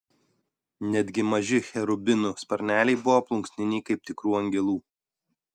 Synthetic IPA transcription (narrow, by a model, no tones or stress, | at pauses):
nʲɛd̪ʲɡʲɪmɐʒʲɪxʲɛɾʊbʲɪnʊspɐɾʲnʲæːlʲɛɪbʊʋoplˠʊŋʲksʲnʲɪnʲɛɪkɐɪp̚t̪ʲɪkɾuːɐŋʲɡʲɛlˠuː